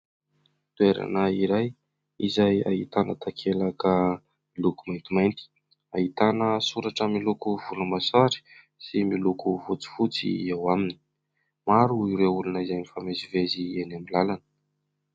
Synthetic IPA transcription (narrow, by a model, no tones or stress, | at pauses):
t̪ueɾa̰naiɾaj | izaja̰it̪anət̪ʰakʰelakə | milukumajnt̪imajnt̪i̥ | ait̪anəsuɾaʈ͡ʂəmilukuvulumasaɾi̥ | similukufut͡si̥fut͡sḭewamini̥ | maɾuiɾeulunəizajnifamezivezienamilalanə̥